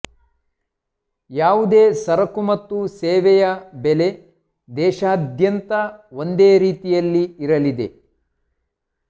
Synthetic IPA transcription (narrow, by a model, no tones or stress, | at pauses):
jaːʋud̪eːsɐɾɐkumɐt̪ːuseːʋɛjɐbele̞ | d̪ɛːʃaːd̪ʱjɐnt̪ɐo̞nd̪eːɾiːt̪ijɐlːiːɾɐlid̪e̞̰